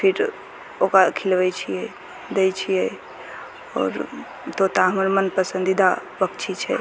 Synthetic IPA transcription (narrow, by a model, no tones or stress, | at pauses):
pʰiɾ | okakʰilʋɛt͡ʃʰijɛ | d̪ejt͡ʃʰijɛ | ɔ̰ːɾ | t̪ot̪aɦməɾmənpəsə̃nd̪id̪abəkt͡ʃʰit͡ʃʰɛ̰